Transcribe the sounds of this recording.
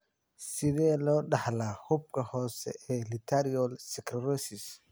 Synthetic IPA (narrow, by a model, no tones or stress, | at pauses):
sɪðɛːlɔːɖɑħlaːhʊb̚kʰɐhɔːsɛ̰ɛːlɪt̪ʰɐɾiɔlsɪkʰɾrɔsɪs